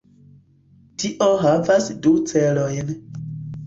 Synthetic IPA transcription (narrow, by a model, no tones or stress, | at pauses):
tiʔoɦavasdut͡selo̞jn